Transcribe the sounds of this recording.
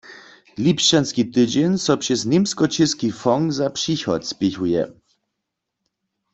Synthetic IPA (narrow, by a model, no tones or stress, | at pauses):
lʲipʃt͡ɕanskʲit̪ɘd͡ʑɛnʲsɔpʂɛzɲʲemskɔt͡ɕɪskʲifɔŋkzapʂixɔ̰t̪spʲixujɛ̰